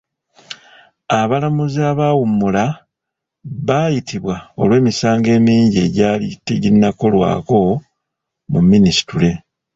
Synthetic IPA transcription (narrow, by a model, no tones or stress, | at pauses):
aβalamuziaːβawumːula | βaːjitiβwao̞̰lwe̞ːmisaːŋɡe̞ːmiːɲɟe̞ɟaːlitːeɟinːako̞lwa̰ːko̞ | mumːinisi̥tule̞